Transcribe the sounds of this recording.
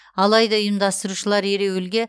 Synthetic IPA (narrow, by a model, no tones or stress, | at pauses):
ɑlˠɑjd̪ɑʊjəmd̪ɑst̪əɾuʃəlˠɑɾe̞ɾewɪlɡʲe̞